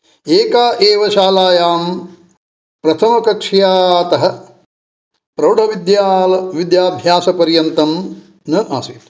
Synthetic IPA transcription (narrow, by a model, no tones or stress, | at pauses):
eːkaːʔeːʋɐʃaːlaːjaːm | pɾɐt̪ʰɐmɐkɐkʂjaːt̪ɐɦɐ̆ | pɾɐwɖʱɐʋid̪jaːlɐʋid̪jaːbʱjaːsɐpɐɾjɐnt̪ɐm | nɐʔa̰ːsiːt̪